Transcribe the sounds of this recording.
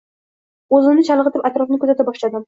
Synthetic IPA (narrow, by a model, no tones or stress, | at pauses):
ɵzɪnnɪt͡ʃʰɑlˠəʁɨt̪ɪpat̪ɾɒfnɪkʰʲɵzat̪abɒʃlad̪ɪ